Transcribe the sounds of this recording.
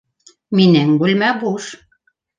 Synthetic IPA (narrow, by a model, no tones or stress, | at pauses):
minæŋɡulʲmæbuʃ